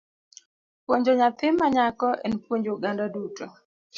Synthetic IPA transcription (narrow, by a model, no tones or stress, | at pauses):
pwoɲd͡ʒoɲat̪ɪmaɲakɔʔɛ̰npwoɲd͡ʒoɡandaduto